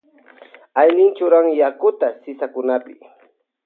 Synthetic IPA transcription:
ajnɪnt͡ʃʊɾaŋjakʊt̪asɪsakʊnapɪ

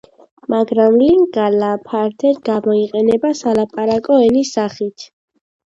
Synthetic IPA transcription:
maɡɾamliŋɡalapʰaɾt̪ʰɛɾɡamɔiqʼɛnɛbasalapʼaɾakʼɔɛnisaχit̪ʰ

